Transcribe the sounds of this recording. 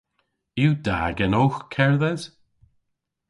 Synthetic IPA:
iwd̪a̰ːɡɛnoːxkʰɛɹðɛz̥

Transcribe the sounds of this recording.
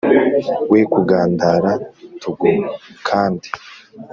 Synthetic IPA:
wekuɡaːndaɾatʰuɡokʰaːndi

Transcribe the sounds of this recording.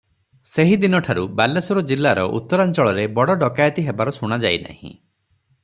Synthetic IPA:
seɦid̪inɔʈʰaɾubalesuɾɔd͡ʒilːaɾɔʔṵt̪ːɔɾant͡ʃɔɭɔɾebɔɽɔɖɔkajɔt̪iɦebaɾɔsuɽ̃ad͡ʒajna̰ɦḭ̃

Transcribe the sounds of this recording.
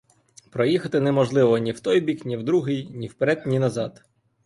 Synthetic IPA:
pɾɔjixɐt̪ɪnɛmɔʒlˠɪʋɔnʲiwt̪ɔjbʲiknʲiwd̪ɾuɦɪjnʲiwpeɾɛd̪̚nʲinɐzɑd̪̥

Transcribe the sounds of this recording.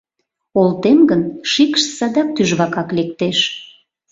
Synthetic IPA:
olt̪emɡənʃikʃsɑd̪ɑk̚t̪yʒβɑkɑklek̚t̪eʃ

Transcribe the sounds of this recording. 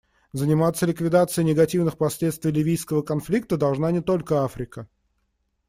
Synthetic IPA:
zənʲɪmat̪sːəlʲɪkvʲɪd̪at̪sɨɪnʲɪɡɐtʲivnɨxpɐsʲlʲet̪st̪vʲjlʲɪvʲijskəvəkɐnflʲik̚t̪əd̪ɐlˠʐnanʲɪt̪o̞lʲkəafɾʲɪkə

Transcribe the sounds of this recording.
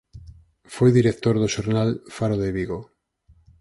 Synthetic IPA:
fojðiɾekt̪oɾðoʃoɾnalfaɾoðeβiɣo

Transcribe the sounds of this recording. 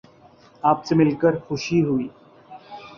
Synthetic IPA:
aːpsemɪlkəɾxʊʃiɦuiː

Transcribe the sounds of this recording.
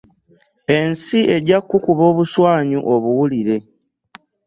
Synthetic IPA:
e̞nsie̞ɟakːukuβo̞ːβuswaːɲuʔoβuwuliɾe̞

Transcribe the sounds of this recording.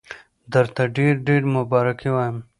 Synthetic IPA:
d̪ɐɾt̪aɖeːɾɖeːɾmʊbɑːɾɐkiwaːjəm

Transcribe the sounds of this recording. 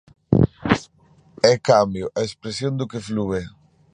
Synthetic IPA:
ɛkambjoʔaespɾesjond̪ʊkeflue

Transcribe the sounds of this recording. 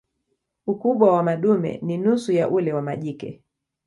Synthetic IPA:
ukuɓwawamaɗumɛ̰ninusujaʔulɛwamaʄikɛ̰

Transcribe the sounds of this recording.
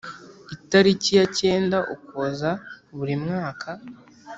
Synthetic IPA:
itaɾicijace̞ːndaʔukozaβuɾimŋaːkʰa

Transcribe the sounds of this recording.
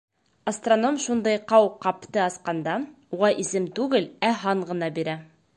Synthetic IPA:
ɐst̪rono̞mʃund̪ɤjqɑwqɑpt̪ɤɑsqɑnd̪ɑ | uʁɑʔisɘmt̪ʉɡɘlæɦɑɴʁɤ̆nɑbiɾæ

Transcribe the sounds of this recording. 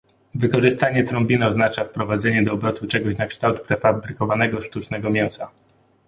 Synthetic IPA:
vɘkɔʐɘst̪aɲɛt̪ɾɔmbʲinɔznat͡ʂafpɾɔvad̪zɛɲɛd̪ɔːbɾɔt̪ut͡ʂɛɡɔɕnakʂt̪awt̪̚pɾɛfabɾɘkɔvanɛɡɔʂt̪ut͡ʂnɛɡɔmʲjɛw̃sa

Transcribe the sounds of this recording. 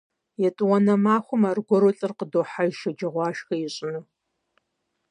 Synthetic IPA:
jɛtʼwɐnɐmaːχʷʊmarɡʷɔɾoɬʼɨrqədoːħajʃɐd͡ʒɐʁʷɑːʃxɐjɛɕʼɪnɨ

